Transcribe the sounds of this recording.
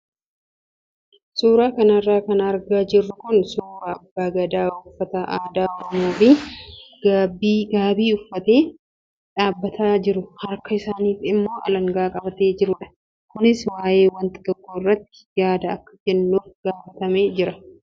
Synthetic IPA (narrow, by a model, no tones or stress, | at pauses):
suːɾaːkɐnɐrːaːkɐnɐɾɡaːd͡ʒɪrːʊkʊnsuːɾaːɐbːaːɡɐd̪aːʊfːɐt̪ɐʔaːd̪aːɔɾɔmoːfɪɡ̥aːbiːɡaːbiːʊfːɐt̪e̞ː | ᶑaːbːɐt̪ʰaːd͡ʒɪɾʊhɐɾkɐɪsaːniːfɪmːo̞ːʔɐ̰lɐŋɡaːkʼɐbɐt̪e̞ːd͡ʒɪɾʊᶑɐ̥ | kʊnɪswaːje̞ːwɐnt̪ɪd̪ɔkːoːɪrːɐt̪ːɪ̥jaːd̪ɐɐkːɐ̥d͡ʒɛnːuːfɡ̥aːfɐt̪ɐmeːd͡ʒɪɾɐ